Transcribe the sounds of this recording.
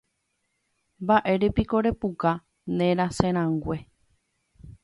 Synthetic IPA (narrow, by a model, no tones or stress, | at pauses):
mbaʔe̞ɾepiko̞ɾe̞puka | nẽɾasẽɾ̃ãŋɡʷe̞